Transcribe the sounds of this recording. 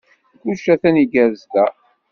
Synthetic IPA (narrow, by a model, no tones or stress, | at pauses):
kuʃæθæniɡæɾzd̪æ